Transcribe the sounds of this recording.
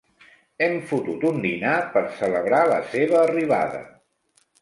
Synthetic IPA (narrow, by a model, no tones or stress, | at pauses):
ɛmfut̪ut̪und̪inapəɾsələβɾalə̰seβəːriβa̰ðə̰